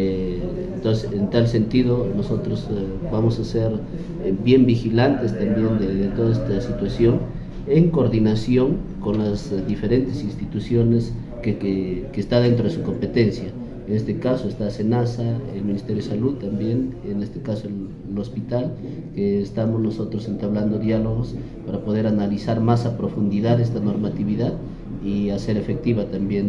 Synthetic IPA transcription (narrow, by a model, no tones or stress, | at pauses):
e | ent̪osent̪alse̞nt̪iðo̞noso̞t̪ɾoz | βamo̞saseɾ | bje̞mbixilant̪e̞st̪ambje̞nd̪eðet̪o̞ðaest̪asit̪wasjo̞n | e̞ŋkoɾðinasjo̞ŋko̞nlazðife̞ɾe̞nt̪e̞sinst̪it̪usjo̞ne̞s | kekeːst̪aðe̞nt̪ɾo̞ðe̞suko̞mpe̞t̪e̞nsja | enest̪ekaso̞est̪ase̞nasaelminist̪ejoesalut̪ambjenene̞st̪e̞kasoel | lo̞spit̪al | keːst̪amo̞zno̞so̞t̪ɾose̞nt̪aβland̪o̞ðjalo̞ɣ̞o̞s | paɾapo̞ð̞e̞ɾanalisaɾmasapɾo̞fund̪iðaðe̞s̬t̪ano̞ɾmat̪iβiðað | iase̞ɾe̞fe̞k̚t̪iβat̪ambje̞n